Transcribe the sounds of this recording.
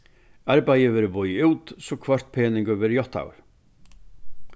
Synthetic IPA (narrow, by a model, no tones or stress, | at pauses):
aɾpajɪvɛːɾʏpɔjuːt̪sɔkʰvœr̥t̪̚pʰɛːniŋkʏvɛɾjɔht̪a̰ːwɾ